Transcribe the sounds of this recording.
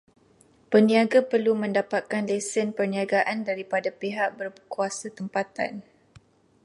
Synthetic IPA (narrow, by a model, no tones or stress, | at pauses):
pənĩaɡapərlumə̃ndapat̪̚kanlɛsənpərniaɡaʔandaɾipadapeɦaʔ̚bərkuasat̪əmpat̪a̰n